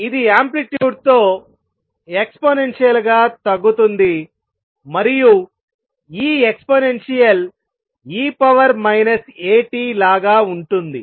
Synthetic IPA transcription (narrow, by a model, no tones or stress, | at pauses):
id̪iaːmpliʈjuːɖt̪o̞ː | ekspoːnenʂijɐlɡaːt̪ɐɡːut̪und̪i | mɐɾiju | iːekspoːnenʂijɐl | iːpɐʋɐɾmɐjnɐse̞ːʈiːlaːɡaːuɳʈund̪i